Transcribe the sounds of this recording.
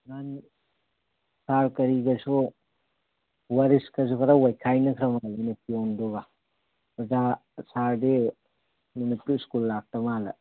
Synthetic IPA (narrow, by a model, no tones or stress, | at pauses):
ŋan | saɾkɐɾiɡɐsu | waɾiskɐs̬ukʰaɾawajkʰajnɐkʰɾɐmalenepiondoɡa | bɐzasaɾde | munipulskulːak̚tɐmalɐ̰